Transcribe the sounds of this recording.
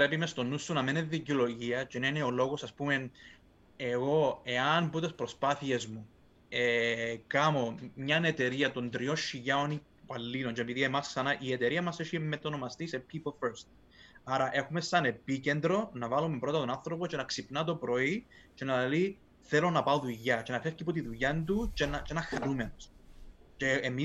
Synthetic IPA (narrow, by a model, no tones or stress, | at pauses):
pɾepimest̪o̞nːusːunɐmeneðiciolo̞ʝiɐt͡ʃenɐineolo̞ɣosɐspumen | e̞ɣo̞e̞ɐnbut̪espɾo̞spɐθie̞zmu | ekɐmo̞mɲɐnet̪e̞ɾiɐt̪o̞nd̪ɾio̞nʃːiʝɐoni | pɐlːilont͡ʃepiðiemɐsksɐnɐʔiet̪e̞ɾiɐmɐseʃimet̪onomɐst̪isepʰipolfeɾst̪ | ɐɾɐʔe̞xumesɐne̞picend̪ɾo̞nɐvɐlumepɾo̞t̪ɐt̪onɐnθɾopot͡ʃenɐksipnɐt̪̬o̞pɾo̞it͡ʃe̞nɐli | θelo̞nɐpɐoðuiʝɐt͡ʃe̞nɐfefcipot̪iðuʎɐnd̪ut͡ʃenɐt͡ʃenɐxɐɾumenost͡ʃeːmi